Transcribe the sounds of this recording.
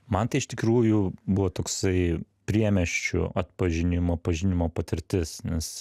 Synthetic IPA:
mɐnt̪ɐɪɪʃt̪ʲɪkɾuːjʊbʊʋoːt̪oːksɐɪ | pʲɾʲiɛmʲɛʃʲt͡ʃʲʊ̰ɐt̪pɐʒʲɪnʲɪmoːpɐʒʲɪnʲɪmoːpɐt̪ʲɪɾʲt̪ʲɪsnʲɛs

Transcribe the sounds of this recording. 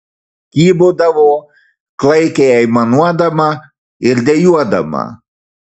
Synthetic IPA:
kiːbod̪avo | klajkeajmanuad̪ama | iɾd̪ejuad̪a̰ma̰

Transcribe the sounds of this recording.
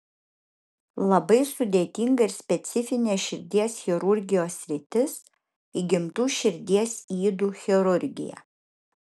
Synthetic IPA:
lˠɐbɐɪsʊd̪ʲeːt̪ʲiˑŋɡɐɪɾsʲpʲɛt̪sʲɪfʲɪnʲeːʃʲɪɾʲd̪ʲiɛsxʲɛɾʊɾʲɡʲɪjoːsːʲɾʲɪt̪ʲɪs | iːɡʲɪmt̪uːʃʲɪɾʲd̪ʲiɛsiːd̪uːxʲɛɾʊɾʲɡʲɪ̰jæ̰

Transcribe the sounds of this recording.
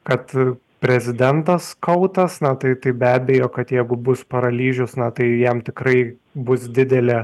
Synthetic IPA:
kɐt̪ | pʲɾʲɛzʲɪd̪ʲɛnt̪ɐskɐʊt̪ɐsnɐt̪ɐɪt̪ɐɪbʲæːbʲejoːkɐt̪jɛɪɡʊbʊspɐɾɐlʲiːʒʲʊsnɐt̪ɐɪjɛmt̪ʲɪkɾɐɪ | bʊsd̪ʲɪd̪ʲɛlʲɛ

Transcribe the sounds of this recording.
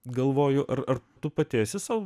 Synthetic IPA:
ɡɐlˠʋoːjʊʔɐɾɐrt̪ʊpɐt̪ʲeːsʲɪsɑʊ

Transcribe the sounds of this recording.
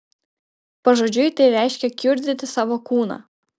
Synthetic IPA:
pɐʒɔːd͡ʒʲʊjt̪ɐɪɾʲæˑɪʃʲkʲɛkʲʊɾʲd̪ʲɪt̪ʲɪsɑːʋoːkuːnɑ̰ː

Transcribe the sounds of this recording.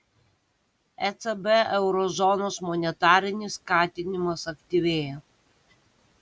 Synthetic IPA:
ɛt̪sɛbɛɛʊɾɔzɔnoːsmɔnʲɛt̪ɑːɾʲɪnʲɪskɑːt̪ʲɪnʲɪmɐsɐkt̪ʲiʋʲeːjɛ

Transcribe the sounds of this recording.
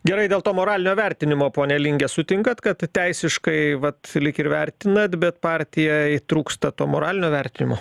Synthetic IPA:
ɡʲɛɾɐɪdʲeːlˠt̪oːmoːɾɑːlʲɪnʲoːʋʲɛɾʲt̪ʲɪnʲɪmoːpoːnʲɛlʲiŋʲɡʲɛsʊt̪ʲɪŋkɐt̪kɐt̪t̪ʲɛɪsʲɪʃkɐɪʋɐt̪lʲɪkɪɾʋʲɛɾʲt̪ʲɪnɐt̪bʲɛt̪pɑːɾʲt̪ʲɪjɛt̪ɾuːkst̪ɐt̪oːmoːɾɑːlʲɪnʲoːʋʲɛɾʲt̪ʲɪnʲɪmo̰ː

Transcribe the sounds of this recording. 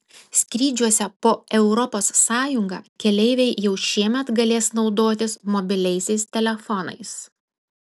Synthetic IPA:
sʲkʲɾʲiːd͡ʒʲuɔsʲɛpoːɛʊɾɔpoːsːɑːjʊŋɡɑ̰ːkʲɛlʲɛɪʋʲɛɪjɛʊʃʲiɛmʲɛt̪ɡɐlʲeːsnɒʊd̪oːt̪ʲɪsmɔbʲɪlʲɛɪsʲɛɪst̪ʲɛlʲɛfɔnɐ̰ɪs

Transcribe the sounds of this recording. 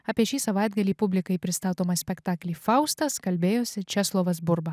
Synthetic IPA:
ɑːpʲiɛʃʲiːsɐʋɑˑɪd̪ɡɐlʲiːpʊbʲlʲɪkɐɪpʲɾʲɪst̪ɑːt̪oːmɐsʲpʲɛkt̪ɑːklʲiːfɑˑʊst̪ɐskɐlʲbʲeːjoːsʲɪt͡ʃʲɛslˠoːʋɐs̬bʊɾbɐ

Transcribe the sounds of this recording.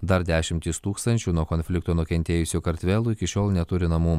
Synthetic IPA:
d̪ɐɾd̪ʲæːʃʲɪmʲt̪ʲiːst̪uːkst̪ɐnʲt͡ʃʲuːnuɔkɔnʲfʲlʲɪkt̪oːnʊkʲɛnʲt̪ʲeːjʊsʲuːkɐɾʲt̪ʲʋʲɛːlˠuːɪkʲɪʃʲoːlˠnʲɛt̪ʊɾʲɪnɐmuː

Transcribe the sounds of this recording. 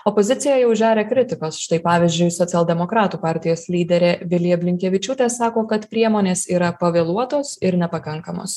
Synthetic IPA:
opoːzʲɪt̪sʲɪjɛjɛʊʒʲæːɾʲeːkɾʲɪt̪ʲɪkoːsʃt̪ɐɪpɑːʋʲɪzʲd͡ʒʲʊɪsoːt̪ʲɛlˠd̪ʲɛmokɾɑːt̪uːpɑːɾʲt̪ʲɪjoːslʲiːd̪ʲɛɾʲeːʋʲɪlʲiɐbʲlʲɪŋʲkʲɛʋʲɪt͡ʃʲuːt̪ʲeːsɑːkoːkɐt̪pʲɾʲiɛmoːnʲeːsiːɾɐpɐʋʲeːlˠuɔt̪oːsɪɾnʲɛpɐkɐŋkɐmo̰ːs

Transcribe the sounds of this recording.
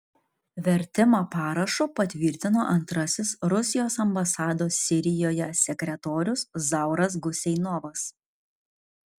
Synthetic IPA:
ʋʲɛɾʲt̪ʲɪmoːpɑːɾɐʃʊːpɐt̪ʲʋʲɪːˑɾʲt̪ʲɪnoːʔɐnt̪ɾɐsʲɪsɾʊsʲɪjoːsɐmbɐsɑːd̪oːsːʲɪɾʲɪjoːjɛsʲɛkʲɾʲɛt̪oːɾʲʊszɑˑʊɾɐs̬ɡʊsʲɛɪnɔʋɐs

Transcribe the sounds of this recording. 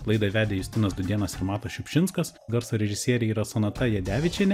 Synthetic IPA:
lˠɐɪd̪ɐʋʲæːd̪ʲejʊsʲt̪ʲɪnɐsd̪ʊd̪ʲiɛnɐsɪɾmɑːt̪ɐʃʲʊpʲʃʲɪnskɐs | ɡɐɾsoːɾʲɛʒʲɪsʲiɛɾʲɛiːɾɐsɐnɐt̪ɐjɛd̪ʲæːʋʲɪt͡ʃʲɛnʲɛ

